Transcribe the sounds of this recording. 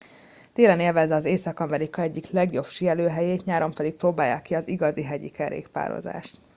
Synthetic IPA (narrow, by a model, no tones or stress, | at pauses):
t̪eːɾɛneːlvɛzɛɒzeːsɒkɒmɛɾikɒɛɟːiklɛɡjo̞bʃiɛløːɦɛjeːt̪ɲaːɾo̞mpɛd̪ik̚pɾoːbaːjːɒkiɒziɡɒziɦɛɟḭkɛɾḛːkpa̰ːɾo̞̰za̰ːʃt̪